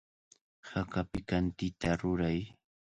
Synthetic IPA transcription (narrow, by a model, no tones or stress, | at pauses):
hakapɪkant̪ɪt̪aɾʊɾaj